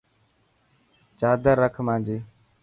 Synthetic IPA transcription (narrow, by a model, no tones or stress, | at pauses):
t͡ʃaːd̪əɾəkʰmãːnd͡ʒiː